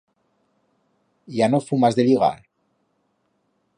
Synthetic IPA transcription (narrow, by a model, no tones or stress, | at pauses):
janofumazðeliɣa̰